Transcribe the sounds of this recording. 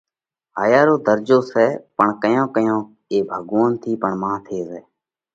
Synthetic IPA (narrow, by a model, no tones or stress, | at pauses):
ɦaːjaːɾoːd̪əɾd͡ʒoːsɛːpəɳkəjãːkəjõː | eːbʱəɡoːənt̪ʰiːpəɳmãːt̪ʰeːsɛː